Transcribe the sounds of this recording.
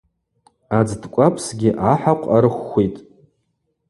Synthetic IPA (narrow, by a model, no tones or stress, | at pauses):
ad͡zdkʷʼapʰʼsɡʲɪʔaħaqʷʰʼaɾɨχʷːejtʼ